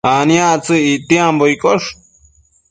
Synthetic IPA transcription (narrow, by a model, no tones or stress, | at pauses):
anj̃ãt͡sɨit̪jemboikʼoʂ